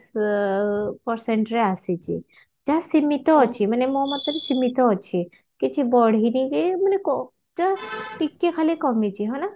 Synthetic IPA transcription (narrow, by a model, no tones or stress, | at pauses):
s | pɔɾseɳʈɾeasit͡ʃʰḭ | d͡ʒasimit̪ɔt͡ʃʰimanemomɔt̪ɔɾesimit̪ɔt͡ʃʰi | kit͡ʃʰibɔɽ̤ʱinikemanekɔ | d͡ʒaʈikːekʰalikɔmit͡ʃʰiɦɔna